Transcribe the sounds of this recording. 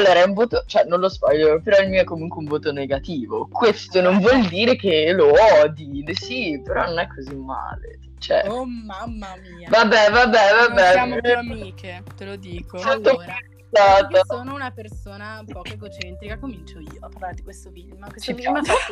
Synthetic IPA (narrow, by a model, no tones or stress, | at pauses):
alːoːɾaɛuɱvoːt̪ot͡ʃoɛnõnlozbaʎːopeɾɔilmiːoɛkːomuŋkweuɱvoːt̪oneɡat̪iːvokwest̪onoɱvwɔld̪iːɾekeloɔd̪ilesipeɾɔnonɛkʰːozimːa̰ːlḛ | t͡ʃoɛ̰amː | vabːɛvabːɛvabɛmiket̪elod̪isɛnt̪opːensaːt̪asoːnounapersoːnapɔeɡot͡ʃɛnt̪ɾikakːomint͡ʃoiːoapːaɾlaɾed̪ikwest̪ofilmkwet͡ʃːm